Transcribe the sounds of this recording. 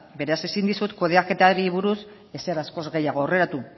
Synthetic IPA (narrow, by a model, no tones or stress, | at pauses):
be̞ɾease̞sind̪isut̪ko̞ð̞eake̞t̪aɾiβuɾus | e̞seɾasko̞zɣe̞jaɣ̞o̞ːre̞ɾat̪u